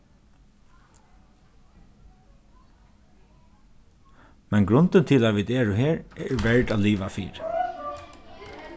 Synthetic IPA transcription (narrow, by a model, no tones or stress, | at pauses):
mɛnɡɾʊnt̪ənt̪ʰɪlaːʋiːd̪eːɹʊɦeːɹɛɹʋɛɹʈaːliːʋafḭːɾ